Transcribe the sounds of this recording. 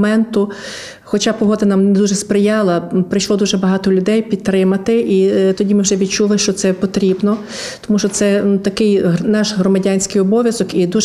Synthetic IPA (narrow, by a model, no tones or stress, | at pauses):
mɛnt̪ʊ | xɔt͡ʃɑpɔɦɔd̪ɐnɑmnd̪uʒɛspɾɪjɑlˠɐpɾɪʃlˠɔd̪uʒɛbɐɦɑt̪ɔlʲʊd̪ɛjpʲid̪̚t̪ɾɪmɐt̪ɪʔit̪ɔdʲimɪwʒɛʋʲid̪t͡ʃulˠɪʃt͡ʃɔt̪sɛpɔt̪ɾʲibnɔ | t̪ɔmuʃt͡ʃɔt̪sɛnut̪ɐkɪjnɑʃɦɾɔmɐdʲɑnʲsʲkɪjɔbɔʋʲjɐzɔkid̪uʒ